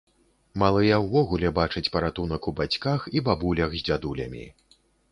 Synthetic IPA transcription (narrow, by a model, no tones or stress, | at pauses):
malˠɨjɐwvɔɣulʲɛbat͡ʂɨt͡sʲpɐɾat̪unɐkubat͡sʲkaxibabulʲɐxzʲd͡zʲad̪ulʲɐ̰mʲḭ